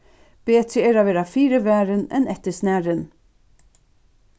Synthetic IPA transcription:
b̥eːt̪ɾəɛːɾaʋeːɾafiːɾəʋæːɾənɛ̰nɛt̪əsnæːɾən

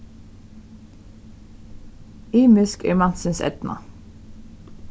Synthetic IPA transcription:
iːmɪskɛ̰ːmɑnsɪnsɛ̰t̪nʔɑ̰

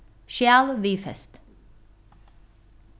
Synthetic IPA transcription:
ʃjæːlʋiːfɛ̰st̪

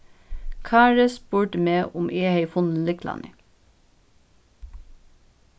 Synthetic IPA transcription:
kʰɑːɹəspuːʈəmeːʔʊmʔeːheɪfʊnn̩lɪkʰlʔɑ̰nɪ

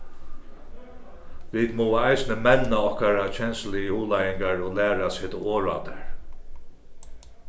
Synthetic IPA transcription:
ʋiːt̪mɔːajsnəmɛnːaɔhkaɾat͡ʃʰɛnslɪjuːlajɪŋkaɹoːlæːɾashet̪ʊoːɹa̰t̪əɹ

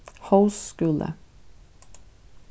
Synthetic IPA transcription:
hɑʉsskʉːlə̰

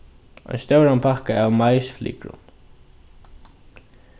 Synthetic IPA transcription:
ɔ̰nst̪œwɾampʰakaawmajsflḭːkɾʊ̰n

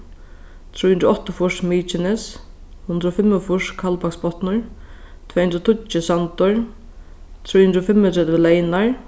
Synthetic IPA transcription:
t̪ʰɾuːjhʏnt̪ɾʊɔht̪ːʊfʊʂmiːt͡ʃɪnɛs | hʊnd̪ɾɔːfɪmːʊfʊʂkʰalpakspɔt̪nʊɹ | t̪ʰvɛːjhund̪ɾɔt̪ʰʊt͡ʃːɪsant̪ʊɹ | t̪ʰɾuːjhʏnd̪ɾɔfɪmːɪt̪ʰɾɛt̪vɪlɛːjnaɹ

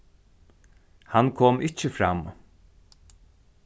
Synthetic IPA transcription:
hankʰɔːmɪt͡ʃəfɾa̰m

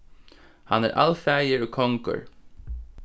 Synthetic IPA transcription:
hanɛ̰ɹʔa̰lfɛːjɪɹʏkʰɔŋkə̰ɹ

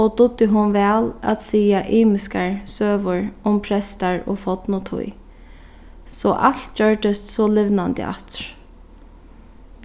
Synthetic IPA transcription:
ɔd̪ʊd̪ɪɦʊnʋɛːla̰t̪siːaʔiːmɪskaɹsøːʋʊɹʊmpʰɾɛst̪aɹɔ̰fɔt̪nʊt̪ʰʊ̰j | sɔʔa̰lt̪̚d͡ʒœɹd̪ɪst̪sɔlɪʋnand̪ɪ̰a̰t̪ɾ̥

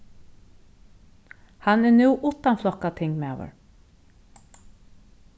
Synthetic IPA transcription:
hanɛnuwʔʊt̪ːanflɔhkat̪ʰɪŋkmaːvʏ̰ɹ

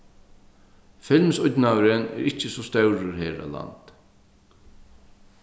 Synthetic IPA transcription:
fɪlmsʊt̪nawɾənɛ̰ɾɪt͡ʃəsɔst̪œwɾʊɾɦeːɾa̰la̰nt̪

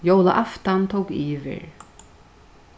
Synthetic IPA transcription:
jowlaʔaft̪ant̪ʰowkiːvɪ̰ɹ

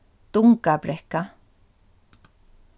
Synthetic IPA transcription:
t̪uŋkapɾehka

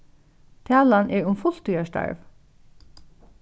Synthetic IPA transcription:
t̪ʰæːlanʔɛɹʊmfʊl̥t̪ʰujaʂt̪a̰ɹv

